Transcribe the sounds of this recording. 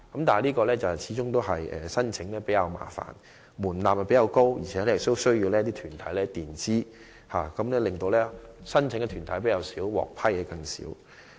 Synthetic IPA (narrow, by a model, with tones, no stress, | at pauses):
kɐ˨˥mt̪aː˨liː˥kɔː˧lɛː˥t͡sɐ˨t͡sʰiː˨˦t͡ʃʊ˥ŋt̪o˥wɦɐ˨jʔɛ̰ː˨sɐ˥nt͡sʰɪ˨˥ŋlɛː˥pe˨˥jɐ˨˧wma̰ː˨˩fa̰ː˨˩n | muː˨˩nlaː˨p̚hɛ˨pe˨˥jɐ˧wko˥wjḭ˨˩t͡ʃʰɛ˨˧˥lɛː˥jɪ˨k̚t̪o˥wsɵ˥ɥjiː˧wlɛː˥t̪iː˥t̪ʰyː˨˩nt̪ʰɐ˨˥jlɛː˦˥t̪iː˨nt͡siː˥ | haː˨kɐ˨˥mlɛː˥lɪ˨˩ŋt̪o˧wlɛː˥sɐ˥nt͡sʰɪ˨˥ŋkɛ˧t̪ʰyː˨˩nt̪ʰɐ˨˥jp̬e˨˥jɐ˧wsiː˨˥wwɔ̰ː˨k̚pʰɐ˥jɛ˨˧˥kɐ˧ŋsḭː˨˥w